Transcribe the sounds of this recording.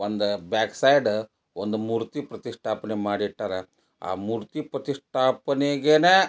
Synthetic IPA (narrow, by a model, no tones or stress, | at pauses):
ʋɐnd̪bɛksajɖ | ʋond̪muɾt̪ipɾɐt̪isʈʰapnemaɽiʈːaɾa | a̰muɾt̪ipɾət̪isʈʰapneɡene